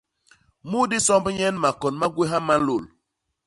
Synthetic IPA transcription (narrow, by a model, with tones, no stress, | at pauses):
mu˦di˦sɔ˦m˦bɲɛ˦n˦ma˨kɔ˨nma˦ɡwe˦ɦa˦ma˦lo˨l